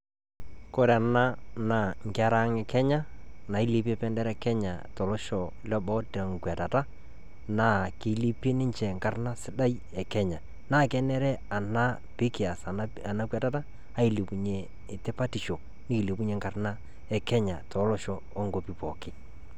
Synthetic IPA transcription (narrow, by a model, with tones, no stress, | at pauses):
ko˦ɾa˨na˦na˨ŋ˨ka˦ɾa˦ŋɛ˨kɛ˦ɲa˦na˨i˦li˦p̬e˦pɛ˦ndɛ˦ɾɛ˦kɛ˦ɲa̰˨tɔ˨lɔ˦ʃɔ˨ | lɔ˦bɔ˦tɛ˨ŋ˨kwa˨ta˨ta˦ | na˨˦˨ke˨˦li˦pe˦nɪ˦ɲt͡ʃɛ˨ŋɡa˨rna˦sɪ˦da˦j | ɛ˨kɛ˦ɲa˨ | naː˦˨kɛ˦nɛ˦ɾɛ˦a˨na˦ | pɪ˦kɪ˨a˨sa˨n | a˨na˦kwɛ˨ta˦ta˦ | a˦i˦li˨pu˨ɲeː˨ | tɪ˦pa˦ti˨ʃo˨ | nɪ˦kɪ˨li˨p̬u˦ɲe˨ŋɡa˨rna˦ | ɛ˦kɛ˦ɲa̰˨tʰɔ˨˦lɔ˦ʃɔː˨˦ŋɡo˨pi˨pɔ˨kɪ˦